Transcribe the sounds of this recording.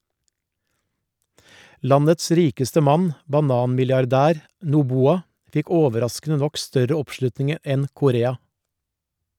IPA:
ˈlɑnəts ˈɾiːkəstə ˈmɑn bɑˈnɑːnmɪljɑɾˌdæːɾ nuːˈbuːɑ ˈfɪk ˈoːʋəˌɾɑskn̩ə ˈnɔk ˈstœɾə ˈɔpˌʃlʉtnɪŋ ˈɛn kʊˈɾeːɑ

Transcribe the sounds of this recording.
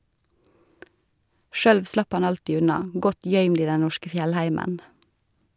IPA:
ˈʃøːɽʋ ˈslɑp ˈɑn ˈɑltiː ˈʉnɑ ˈɡɔt ˈjœʏmd ˈiː ˈdɛ ˈnɔʃkə ˈfjɛlˌhæɪmən

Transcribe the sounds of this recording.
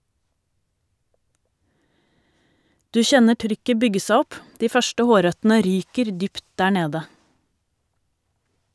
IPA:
ˈdʉː ˈçɛnə ˈʈɾʏkə ˈbʏɡə ˈsæ ˈɔp ˈdiː ˈfœʃʈə ˈhoːˌɾœtn̩ə ˈɾyːkəɾ ˈdʏpt ˈdæː ˈɳeːdə

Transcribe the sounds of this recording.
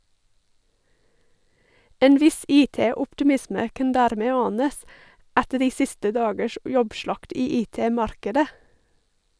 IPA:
ˈeːn ˈʋɪs ˈiːˌteːʊpʈɪˌmɪsmə ˈkɑn ˈdæːɾˌmeː ˈɑːnəs ˈætə ˈɖiː ˈsɪstə ˈdɑːɡəʃ ˈjɔbˌʃɭɑkt ˈiː ˈiːˌteːˌmɑɾkədə

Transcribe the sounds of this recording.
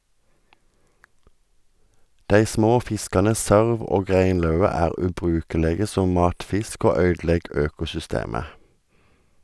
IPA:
ˈdæɪ ˈsmoː ˈfɪskɑnə ˈsøːʁʋ ˈoːɡ ˈʁeɪnˌlœʉə ˈæːʁ ˌʉːˈbʁʉːkəˌleːɡə ˈsɔm ˈmɑːtˌfɪsk ˈoː ˈœʏdˌlɛɡ ˈøːkʊsʏˌsteːmə

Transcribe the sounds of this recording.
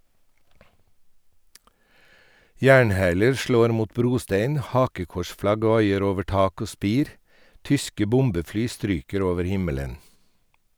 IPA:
ˈjæːɳˌhæːləɾ ˈʃloːɾ ˈmuːt ˈbɾuːˌsteɪn ˈhɑːkəˌkɔʃˌflɑɡ ˈʋɑɪəɾ ˈoːʋə ˈʈɑːk ˈoː ˈspiːɾ ˈtʏskə ˈbʊmbəˌflyː ˈstɾyːkəɾ ˈoːʋəɾ ˈhɪmələn

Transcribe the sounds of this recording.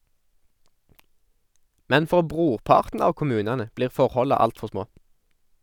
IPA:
ˈmɛn ˈfɔʁ ˈbʁuːʁˌpɑːʁtn̩ ˈɑːʋ kʊˈmʉːnɑnə ˈbliːʁ ˈfɔʁhɔlɑ ˈɑltfɔʁ ˈsmoː

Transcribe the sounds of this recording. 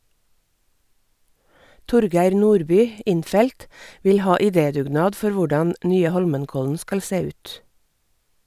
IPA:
ˈtʊɾˌɡæɪɾ ˈnuːɾˌbyː ˈɪnˌfɛlt ˈʋɪl ˈhɑː ɪˈdeːdʉːˌɡnɑːd ˈfɔɾ ˈʋʊɖɑn ˈnyːə ˈhɔlmənˌkɔln̩ ˈskɑl ˈseː ˈʉːt

